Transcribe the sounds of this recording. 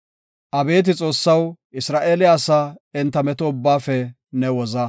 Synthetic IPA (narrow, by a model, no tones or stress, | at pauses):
ʔɐbe̞ːt̪̬ɪt͡sʼo̞ːsːɐwʔɪsɾaːʔeːlɪjaːsaɪnt̪ːɐmɛt̪ɔʊbːaːfɛ | nɛwɔzɐ